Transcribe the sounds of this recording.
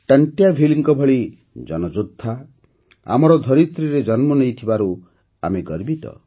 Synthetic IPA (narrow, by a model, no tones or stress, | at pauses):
ʈaɳʈjabʱiliŋkɔbʱɔɭi | d͡ʒɔnɔd͡ʒud̪ʱːa | a̰mɔɾɔd̪ʱɔɾit̪ɾiɾed͡ʒɔnmɔnejt̪ʰibaɾu | a̰meɡɔɾbit̪ɔ̰